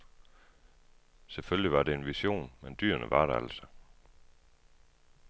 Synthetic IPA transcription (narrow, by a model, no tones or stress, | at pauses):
sefølliʋɑ̈de̝enʋiɕo̝̰ːnmend̥y̰ːɐnəʋɑ̈ɾ̥ɑæl̰sɒ̥